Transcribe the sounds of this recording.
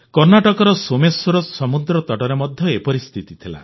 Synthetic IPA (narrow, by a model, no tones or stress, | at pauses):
kɔɾnaʈɔkɔɾɔsomesuɾɔsɔmud̪ɾɔt̪ɔʈɔɾemɔd̪ʱjɔepɔɾist̪ʰit̪it̪ʰila̰